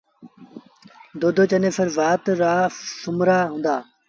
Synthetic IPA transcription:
d̪oːd̪oːt͡ʃəneːfʰəɾʋaːt̪ɾaːsʊmɾaːɦʊ̃nd̪aː

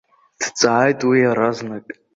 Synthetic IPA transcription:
d̥t͡sʼaʕajtʼwiaɾaznakʼ

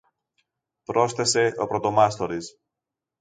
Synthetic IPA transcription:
pɾo̞sθe̞se̞o̞pɾo̞t̪o̞mɐst̪o̞ɾis

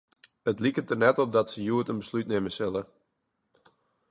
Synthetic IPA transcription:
ətlikətənɛtɔp̚dɔtsəjuətənbəslytneməsɪlə

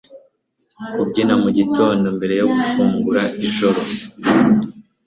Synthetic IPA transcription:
kub̚ɟinamuɟito̞ːndo̞mbe̞ɾe̞joɡufuːŋɡuɾaiʒoɾo

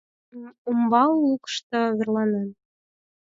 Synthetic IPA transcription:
umbɑlukə̥ʃt̪ɤ̆βerlˠɑnen

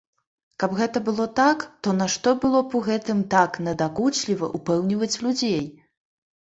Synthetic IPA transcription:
kɐbɣɛt̪ɐbɨlˠɔt̪akt̪ɔnaʂt̪ɔbɨlˠɔpɔɣɛt̪ɨmt̪aknɐd̪akut͡ʃlʲivɐ̰ʔupɛwnʲivɐt͡sʲlʲud͡zʲej

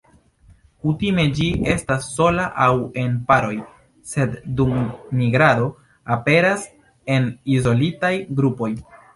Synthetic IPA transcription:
kutime̞d͡ʒie̞stasːo̞laʔawe̞npaɾo̞j | se̞ddumniɡɾado̞ | ape̞ɾas | e̞nizo̞litajɡɾupo̞j

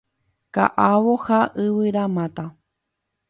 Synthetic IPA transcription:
ka̰ʔaʋohaʔɨʋɨɾamãt̪a

